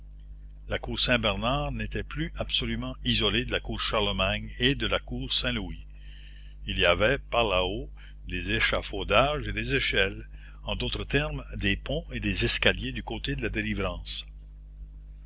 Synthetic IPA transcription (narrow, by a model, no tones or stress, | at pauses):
lakuːʁsɛ̃bɛʁnaːʁnet̪ɛplyab̥sɔlymɑ̃izɔled̪əlakuːʁʃaʁləmaɲed̪əlakuːʁsɛ̃lui | iliavɛpaʁlao | d̪ezeʃafod̪aʒed̪ezeʃɛl | ɑ̃d̪oːt̪ɾət̪ɛʁmd̪epɔ̃ed̪ezɛskaljed̪ykot̪ed̪əlad̪elivɾɑ̃ːs